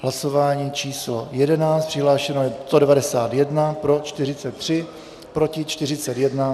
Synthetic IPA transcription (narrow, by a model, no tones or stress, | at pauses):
ɦlaso̞vaːɲiːt͡ʃiːslo̞jɛdɛnaːt͡st̪pr̥ɪɦlaːʃɛnojɛst̪odɛvadɛsaːt̪jɛdnapɾo̞t͡ʃt̪ɪrɪt͡sɛt̪ːr̝̥ɪ | pɾocɪt͡ʃt̪ɪrɪt͡sɛt̪jɛdna